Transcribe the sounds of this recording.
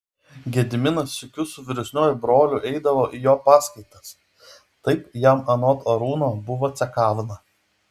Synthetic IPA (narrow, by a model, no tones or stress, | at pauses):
ɡʲɛd̪ʲɪmʲɪnɐsɪkʲʊsʊʋʲɪɾʲʊsʲnʲoːjʊbɾoːlʲʊʔɛɪd̪ɐʋoːʔijoːpɑːskɐɪt̪ɐs | t̪ɐɪpjæmɐnɔt̪ʰoːɾuːnoːbʊʋoːt̪sʲɛkɑːʋʲɪnɐ